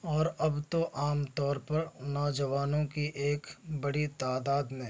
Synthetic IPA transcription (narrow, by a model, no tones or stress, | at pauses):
ɔːɾɐbt̪oʔaːmt̪ɔːɾpɐɾnɔːd͡ʒəʋaːnõkiʔeːkbɐɽit̪aːd̪aːd̪mẽː